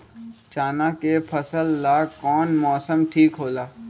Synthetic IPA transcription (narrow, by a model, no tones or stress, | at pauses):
t͡ʃaːnakepʰəsəlːaːɡkɔːnmɔːsəmʈʰiːkɦoːlaː